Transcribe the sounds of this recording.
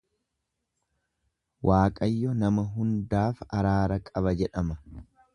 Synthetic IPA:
waːkʼɐjːɔnɐmɐɦʊnd̪aːfɐɾaːɾɐkʼɐβɐd͡ʒɛᶑɐmɐ

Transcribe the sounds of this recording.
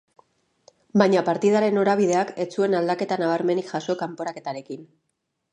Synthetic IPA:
baɲapaɾt̪ið̞aɾe̞no̞ɾaβ̞ið̞e̞ake̞t͡sue̞nald̪ake̞t̪anaβ̞aɾme̞niʝaso̞kampo̞ɾake̞t̪aɾe̞kin

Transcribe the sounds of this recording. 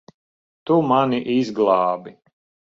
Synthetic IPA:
t̪umaniʔizɡlˠɑːbi

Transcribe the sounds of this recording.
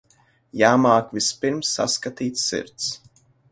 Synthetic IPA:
jaːmaːkvispiɾmsːa̰skat̪iːt̪sːḭɾt̪s

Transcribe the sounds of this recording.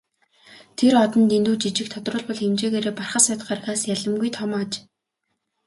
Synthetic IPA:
t̪ʰerɔt̪ɞ̆nt̪ent̪uːt͡ɕit͡ɕɪ̆k̚t̪ʰɔt̪rʊːɮpɔɮxemt͡ɕeːɣeːɾeːparχə̆sæːt̪̆χarxaːsjaɮə̆mɡujt̪ʰɔmaːt͡ɕ

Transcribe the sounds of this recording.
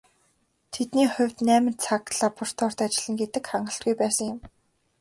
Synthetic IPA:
t̪ʰet̪niːχʊ̟wʲt̪næːmɪ̆nt̪t͡sʰak̪̚ɮaːpʰʊr̥t̪ʰɔːr̥t̪at͡ɕɪ̆ɮə̆ŋɡet̪ɘ̆kχaɴɢə̆ɬt̪̚ɡujpæːsə̆ŋjɪ̆m

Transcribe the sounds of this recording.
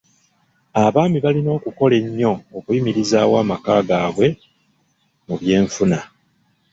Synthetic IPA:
aβaːmiβalino̞ːkuko̞le̞ɲːo̞ːkuimiɾizaːwaːmakaːɡaːβwe̞ | muβje̞ːɱfuna

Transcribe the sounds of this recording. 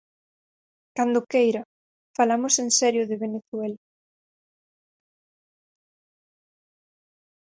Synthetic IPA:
kand̪ʊkejɾa | falamʊsensɛɾjʊðeβeneθwɛla

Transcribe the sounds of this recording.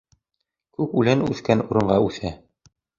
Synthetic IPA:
kʉpʉlɘnʉθkænuɾɤ̆ɴɢɑʉθæ

